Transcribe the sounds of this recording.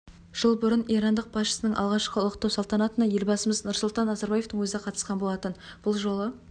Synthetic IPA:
ʒ̥əlˠbʊɾənijɾɑnd̪əq̚bɑsʃə̥sənəɴʔɑ̰lˠʁɑʃqəlˠqt̪ɑwsɑlˠt̪ɑnɑt̪ənɑje̞lbɑsəməznʊɾsʊlˠt̪ɑnːɑzɑɾbɑje̞ft̪əɴwɵzɪeqʰɑt̪ə̥sqɑnbo̞lˠɑt̪ənb̥ʊlˠʒo̞lˠə

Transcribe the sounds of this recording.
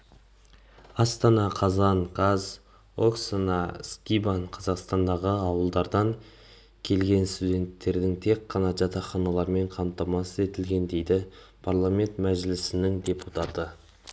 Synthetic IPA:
ɑst̪ɑnɑqʰɑzɑnkɑz | o̞ksanɑskʲibaɴqʰɑzɑqst̪ɑnd̪ɑʁəɑwəlˠd̪ɑɾd̪ɑŋ | kʲʰe̞lɡʲe̞nst̪ud̪ʲe̞nt̪ːe̞ɾd̪ɪŋt̪ʰe̞kːɑnɑʒɑt̪ɑχɑnɑlˠɑɾme̞ɴqʰɑmt̪ɑmɑsəze̞t̪ɪlɡʲe̞nd̪e̞jd̪ɪpʰaɾlˠamʲe̞nt̪mæʒlɪsɪnɪŋd̪ʲe̞put̪ɑt̪ə

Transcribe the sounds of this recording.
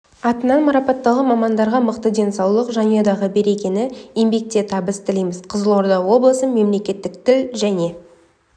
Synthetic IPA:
ɑt̪ənɑnmɑɾɑpɑt̪ːɑlˠəmɑmɑnd̪ɑɾʁɑməqt̪əd̪e̞nsɑwlˠəqʒɑnijɑd̪ɑʁəbe̞ɾe̞kʲe̞nɪjembe̞k̚t̪e̞t̪ʰɑbəst̪ʰɪlijmɪzqʰəzəlˠo̞ɾd̪ɑwo̞blˠəsəme̞mle̞kʲe̞t̪ːɪk̚t̪ɪlʒæne̞

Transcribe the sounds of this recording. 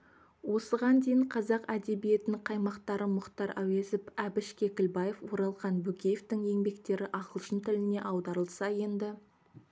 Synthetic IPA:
wo̞səʁɑnd̪ejɪɴqʰɑzɑqæd̪e̞bije̞t̪ɪnɪɴqʰɑjmɑqt̪ɑɾəmʊqt̪ɑɾʔæwezɪpæbɪʃkʲe̞kʲɪlbɑjefwo̞ɾɑlˠʁɑnbɵkʲejeft̪ɪŋe̞ŋbe̞kt̪e̞ɾɪʔɑqəlˠʃənt̪ʰɪlɪne̞ʔɑwd̪ɑɾəlˠsɑje̞nd̪ɪ

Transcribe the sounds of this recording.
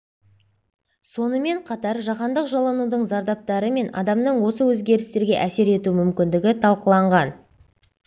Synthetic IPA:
so̞nəme̞ɴqʰɑt̪ɑɾʒɑqɑnd̪əqʒɑlˠɑnud̪əɴzɑɾd̪ɑp̚t̪ɑɾəme̞nɑ̰d̪ɑmd̪əɴwo̞səwɵzɡʲe̞ɾɪst̪e̞ɾɡʲe̞ʔæse̞ɾe̞t̪umʏmkʲɪnd̪ɪɡʲɪt̪ʰɑlˠqəlˠɑɴʁɑn

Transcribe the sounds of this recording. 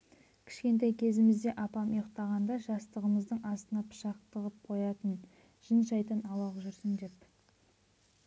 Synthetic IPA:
kʲʰɪ̥ʃkʲe̞nt̪ɑjkʲʰe̞zɪmɪzd̪e̞ʔɑpɑmijəqt̪ɑʁɑnd̪ɑʒɑst̪əʁəməzd̪əɴʔɑst̪ənɑpʰə̥ʃɑqt̪əʁəp̚qʰo̞jɑt̪ən | ʒ̥ənʃɑjt̪ənɑwɑʁʒʏɾsɪnd̪e̞p

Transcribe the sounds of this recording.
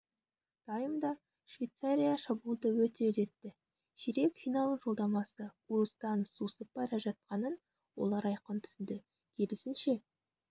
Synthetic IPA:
d̪̥ɑjəmd̪ɑ | ʃvʲejt̪saɾʲijaʃɑbulˠd̪əwɵt̪e̞ɵze̞t̪ːɪ | ʃiɾe̞kfijnɑlˠəʒo̞lˠd̪ɑmɑsəuɾst̪ɑnsusəp̚ːɑɾɑʒɑt̪̚qɑnən | wo̞̰lˠɑɾɑjqənt̪ʰʏ̥sɪnd̪ɪ | kʲʰe̞lɪsɪnʃe̞

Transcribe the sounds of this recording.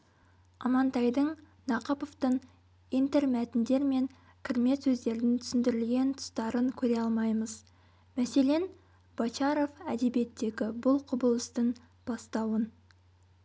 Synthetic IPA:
ɑmɑnt̪ɑjd̪əɴ | nɑqɑpoft̪əɴ | ijnt̪eɾmæt̪ɪnd̪e̞ɾme̞ŋ | kʲʰɪɾɪme̞t̪sɵzd̪e̞ɾd̪ɪnt̪ʰʏ̥sɪnd̪ɪɾɪlɡʲe̞nt̪ʰʊ̥st̪ɑɾəŋkʲʰɵɾe̞ɑlˠmɑjməz | mæse̞le̞n | b̥ɑt͡ʃɑɾo̞fæd̪e̞bie̞t̪ːe̞ɡʲɪbʊlˠqʰʊbəlˠəst̪əɴ | b̥ɑst̪ɑwən

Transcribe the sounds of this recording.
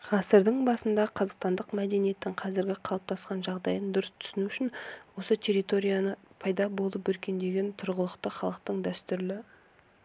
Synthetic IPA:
qʰɑsəɾd̪əɴbɑsənd̪ɑqʰɑzɑqst̪ɑnd̪əqmæd̪e̞nije̞t̪ːɪɴqʰɑzɪɾɡʲɪqʰɑlˠɑp̚t̪ʰɑsqɑnʒɑʁd̪ɑjənd̪ʊɾəst̪ʰʏ̥sɪnuʏʃɪnwo̞sət̪ʲʰe̞ɾit̪o̞ɾʲijanəpʰɑjd̪ɑbo̞lˠəpɵɾkʲe̞nd̪e̞ɡʲe̞nt̪ʰʊɾʁəlˠəqt̪əχɑlˠəq̚t̪əɴd̪æst̪ʏɾlɪ

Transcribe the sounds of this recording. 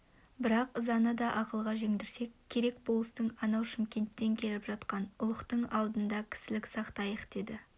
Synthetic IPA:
bɪɾɑqzɑnəd̪ɑʔɑqəlˠʁɑʒe̞ŋd̪ɪɾse̞kkʲʰːe̞ɾe̞kbo̞lˠəst̪əɴɑnɑwʃɪmkʲe̞nt̪ːe̞ŋkʲʰe̞lɪpʒɑt̪qɑnʊlˠəqt̪əɴɑlˠd̪ənd̪ɑkʲʰɪ̥sɪlɪksɑqt̪ɑjəqd̪̥e̞d̪ɪ

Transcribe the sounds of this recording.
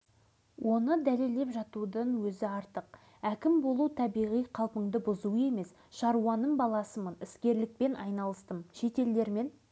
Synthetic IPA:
wʔo̞nəd̪æle̞ld̪e̞pʒɑt̪ud̪əɴwɵzɪɑɾt̪əq | ækʲɪmbo̞lˠuwt̪ʰɑbijʁijqʰɑlˠpəɴd̪əbʊzuəe̞me̞s | ʃɑɾuɑnːəmbɑlˠɑsəmənɪskʲe̞ɾlɪk̚pe̞nʔɑjnɑlˠəst̪əmʃe̞t̪e̞ld̪e̞ɾme̞n

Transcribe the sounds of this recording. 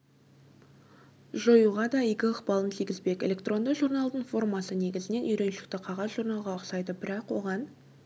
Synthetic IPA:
ʒojuʁɑd̪ɑijɡʲɪəqbɑlˠənt̪ʰijɡʲɪzbe̞kʲe̞lʲe̞kt̪ro̞nd̪əʒurnɑlˠd̪əɴfo̞rmɑsəne̞ɡʲɪzɪne̞nʏjɾe̞nʃɪk̚t̪ɪqʰɑʁɑzʒuɾnɑlˠʁɑɑqsɑjd̪əbɪɾɑqwo̞ʁɑn

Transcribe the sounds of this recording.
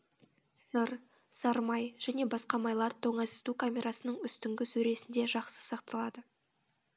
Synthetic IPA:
səɾ | sɑɾmɑjʒ̥æne̞bɑsqɑmɑjlˠɑɾt̪ʰoɴɑsɪ̥t̪ukʰamʲe̞ɾʔɑsənəɴʏst̪ɪŋɡʲɪsɵɾe̞sɪnd̪e̞ʒɑqsə̥sɑqt̪əlˠɑd̪ə

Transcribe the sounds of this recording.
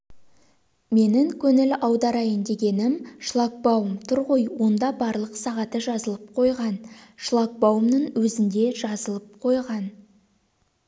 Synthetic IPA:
me̞nɪŋkʲʰɵnɪlɑwd̪ɑɾɑjend̪e̞ɡʲe̞nɪmʃlˠɑk̚bɑwəmt̪ʰʊɾʁojwo̞nd̪ɑbɑɾlˠəqsɑʁɑt̪əʒɑzəlˠəp̚qʰo̞jʁɑnʃlˠɑk̚bɑwəmnəŋwɵzɪnd̪e̞ʒɑzəlˠəp̚qʰo̞jʁɑn

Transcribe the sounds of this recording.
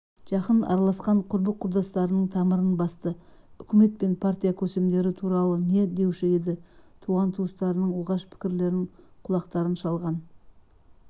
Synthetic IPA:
ʒ̥ɑqənɑ̰ɾɑlˠɑsqɑɴqʰʊɾbəqʰːʊɾd̪ɑst̪ɑɾənəɴt̪ʰɑməɾənbɑst̪əʏkʲɪme̞t̪̚pe̞npʰaɾt̪ijakʲʰɵse̞md̪e̞ɾɪt̪ʰuɾɑlˠəne̞d̪e̞wʃɪed̪ɪt̪ʰuʁɑnt̪ʰuəst̪ɑɾənəɴwoʁɑʃpʰɪ̥kʲɪɾle̞ɾɪɴqʰʊlˠɑqt̪ɑɾənʃɑlˠʁɑn

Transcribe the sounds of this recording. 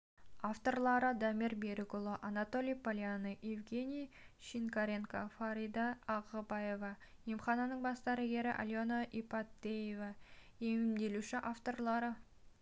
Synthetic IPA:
aft̪o̞rlˠɑɾəd̪ɑmiɾbeɾɪkolˠoʔanɑt̪o̞lʲijpolʲjanəʔivɡʲe̞nʲijʃiŋkaɾʲe̞ŋka̰faɾid̪aːʁəbɑje̞vɑjemχɑnɑnəɴbɑst̪ɑɾɑɡʲe̞ɾɪʔa̰lʲjonaʔipat̪ːejevɑ | emɪmd̪e̞luʃɪʔaft̪o̞rlˠɑɾə

